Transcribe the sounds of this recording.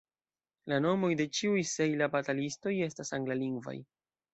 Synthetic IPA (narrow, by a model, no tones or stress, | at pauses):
lano̞mo̞jde̞t͡ʃiujse̞jlabatalisto̞je̞stasaŋɡlaliŋɡva̰j